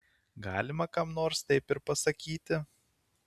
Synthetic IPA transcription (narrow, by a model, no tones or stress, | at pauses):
ɡɑːlʲɪmɐkɐmnoːɾst̪ɐɪpɪɾpɐsɐkʲiːt̪ʲɪ